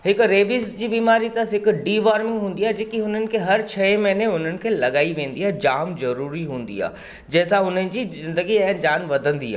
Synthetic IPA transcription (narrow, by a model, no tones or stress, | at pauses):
ɦɪkɾeːbizd͡ʑiːbiːmaːɾit̪ɐɦɪkɖiːʋaːɾmɪ̃ŋɡɦũːn̆d̪iaɦd͡ʑeːkiɦʊn̤ənɪ̆kʰeɦɐɾt͡ɕʰɛmɐ̃neʊn̤ənɪ̆kʰeːlɐɠaːiʋẽːn̆d̪iaːɦd͡ʑaːmzɐɾuːɾiɦũːn̆d̪ḭa̰ː | d͡ʑɛːsãʊnənɪ̆d͡ʑiːzɪ̃nd̪əɡiɐ̃ːnd͡ʑaːnʋɐd̪ʱə̃nd̪iɦa̰ː